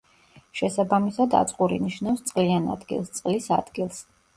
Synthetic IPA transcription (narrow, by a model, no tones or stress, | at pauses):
ʃɛsabamisad̪a̰t̪sʼqʼuɾḭniʃnafst̪sʼqʼliana̰d̪ɡḭlˠst̪sʼqʼlisa̰d̪̥ɡilˠs